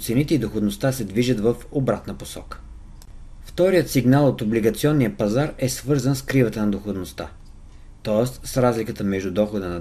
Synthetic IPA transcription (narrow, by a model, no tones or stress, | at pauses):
t̪sɛnit̪ɛid̪oxod̪nost̪asɛd̪viʒət̪vəfobɾat̪nəposɔ̰kə̥ | ft̪ɔɾijət̪siɡnalˠot̪obliɡɐt̪siɔnːijəpɐzaɾɛsvɤɾzənskɾivət̪ənɐd̪oxod̪nost̪a̰ | t̪ɔɛst̪sɾazlikət̪əmɛʒd̪ud̪ɔxod̪ənɐ